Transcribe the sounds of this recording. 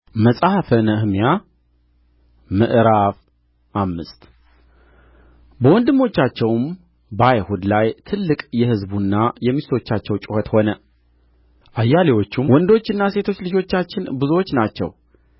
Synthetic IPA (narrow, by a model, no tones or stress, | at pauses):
məsʼahfənəhmija | mɨʔɾaf | ʔamːɨst̪ | bəwɔnd̪ɨmːo̞t͡ʃːat͡ʃːɛwm | bəajhud̪lajt̪ʰɨlːɨkʼjɛhɨzbunːajɛmːist̪ʰo̞t͡ʃːat͡ʃːɛwt͡ʃʼʊhət̪ho̞nə | ʔajːalewo̞t͡ʃːumwɔnd̪ot͡ʃːɨnːase̞t̪ʰot͡ʃːlɨd͡ʒo̞t͡ʃːat͡ʃːɪnbɨzuwot͡ʃːnat͡ʃːɛ̰w